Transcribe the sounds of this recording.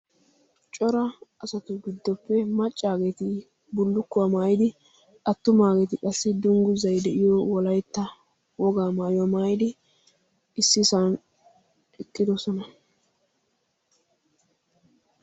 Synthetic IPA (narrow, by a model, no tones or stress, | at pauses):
t͡ʃʼɔɾɐɐsɐt̪ʊɡɪd̪ːɔpːɛmɐt͡ʃʼːaːɡet̪ɪ | bʊlːʊkːʊwamaːjɪd̪ɪ | ɐt̪ːʊmaːɡɛt̪ɪkʼɐsːɪd̪ʊŋɡʊzɐjd̪ɛʔɪjɔwɔlɐjt̪ːɐ | wɔɡaːmaːjwɔmaːjɪd̪ɪ | ɪsːɪsan | ɛkʼːɪd̪ɔsɔnɐ